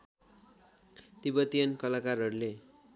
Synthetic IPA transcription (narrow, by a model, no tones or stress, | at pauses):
t̪ibʌt̪ijʌnkʌlakarɦʌɾule